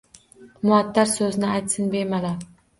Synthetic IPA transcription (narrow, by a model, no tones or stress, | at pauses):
mʊat̪ːaɾsɵznɪajt̪sɪnbeɾmalaɾ